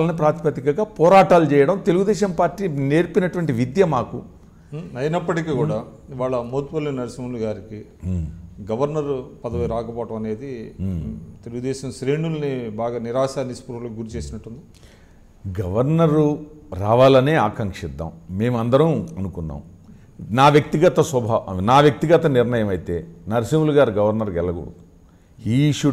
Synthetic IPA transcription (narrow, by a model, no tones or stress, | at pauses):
lɐnipɾaːɾt̪ʰpɐt̪ikɐɡaːpɔːɾaːʈaːlut͡ʃɛːjɐɽɐmt̪eluɡud̪ɛːʃɐmpaːɾʈːiːne̞ːɾpinɐʈuʋɐɳʈiʋid̪jɐmaːku | ɐjnɐpːɐʈikiːkuːɽaː | iʋaːɭɐmot̪pɐlːinɐɾɐsɐmuluɡaːɾiki | ɡɐʋɐɾnɐɾpɐd̪ɐʋɐjɾaːkɐpɔːɐʈɐmɐne̞ːd̪i | t̪eluɡud̪ɛːʃɐmsɾeːɳulɐnibaːɡaːniɾaːʃaːlnispuɾʋɐlokɡuɾut͡ʃe̞ːsinɐʈːund̪i | ɡɐʋɐɾnɐɾuɾaːʋaːlɐneːaːkɐŋkʂid̪ːɐ̰mme̞ːmuɐnd̪ɐɾɐmɐnukunːa̰ːm | naːʋjɐk̚t̪iɡɐt̪ɐswɐbʱaːnaːʋjɐk̚t̪iɡɐt̪ɐnɪɾnɐjɐmɐjt̪e̞ːnɐɾisɐmuluɡaːɾiɡɐʋɐɾnɐɾɡɛlːɐɡo̰ɽut̪u | iːʃu